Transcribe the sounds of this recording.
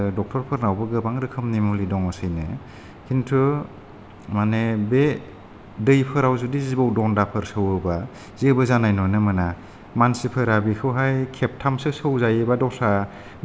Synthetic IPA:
dɔk̚tʰɔɾpʰɯɾnawbɯɡɯbaŋɾɯkʰɯmnimulidɔŋɔsɯjnɯ | kʰintʰu | manebe | dɯjpʰɯɾawzudizibawdɔndapʰɯɾsɯwɯba | z̥iɯbɯzanajnɔnɯmɯna | mansipʰɯɾabikʰɯwɦajkʰep̚tʰamsɯsɯwzajɯbadɔsa

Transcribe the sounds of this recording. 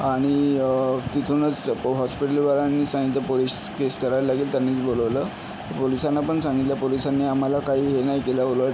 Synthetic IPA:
aɽ̃i | t̪it̪ʰonət͡sɦɔspiʈəlʋaɾanːiːsãɦĩt̪əpolis | keskəɾajlaɡiːlt̪janːiːt͡sboləʋlə | t̪əɾpolisanːapəɳsãŋɡit̪ljapolisanːiːam̤alakaɦiːɦenajkeləoləʈ

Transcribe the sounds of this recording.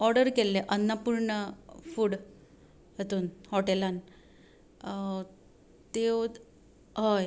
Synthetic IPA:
ɔɾɖəɾkelːeʔənːapuɾɳəfuːɽ | jet̪uːnhɔʈelan | t̪eo | ɦəj

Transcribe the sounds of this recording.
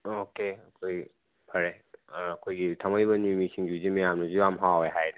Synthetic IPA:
okeɐkʰoj | pʰɐɾe | ɐkʰojɡitʰamajbɐnimisiŋd͡ʒizimijamnɐzuamɦaweɦajnɐ

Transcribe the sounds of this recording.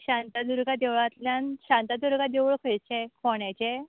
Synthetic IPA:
ɕãnt̪ad̪uɾɡad̪ewɭat̪ljanɕãnt̪ad̪uɾɡad̪eʋɭkʰɔjt͡ɕẽkʰɔɳjat͡ɕe

